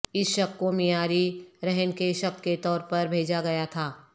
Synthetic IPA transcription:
ɪsʃɐkːomiaːɾiɾɛɦənkeʃɐkket̪ɔːɾpɐɾbʱeːd͡ʒaɡɐjat̪ʰaː

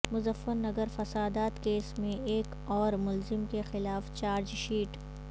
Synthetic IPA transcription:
mʊzəfəɾnɐɡəɾfɐsaːd̪aːt̪keːsmẽeːk | ɔːɾmʊlzɪmkexɪlaːft͡ʃaːɾd͡ʒʃiːʈ

